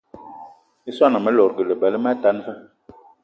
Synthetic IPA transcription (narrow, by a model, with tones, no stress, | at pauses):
i˦swa˦na˨mə˦lɔ˨ɾɡə˨lə˨bɛ˨lə˦ma˦ta˦n˦fə˦